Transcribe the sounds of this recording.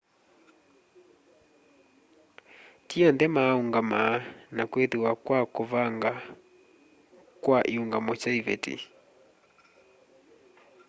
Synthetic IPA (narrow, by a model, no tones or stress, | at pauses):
tiandɛmauŋɡamanakwɛðiwakwakovaŋɡa | kwaʔiuŋɡamɔt͡ʃaivɛtḭ